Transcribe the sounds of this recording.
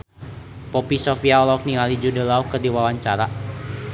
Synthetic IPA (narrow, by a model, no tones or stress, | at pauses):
pɔpisɔfiaɔlɔk̚niŋalid͡ʒudəlaukərdiwawaɲt͡ʃaɾa